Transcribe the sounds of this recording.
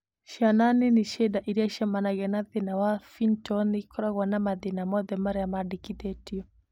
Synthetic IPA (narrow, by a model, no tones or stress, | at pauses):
ʃananiniʃɛdaʔiɾiaʃɛmanaɣɛnaðinawafintɔnikɔɾaɣwanamaðinamɔðɛmaɾajamadikit̪ɛtiɔ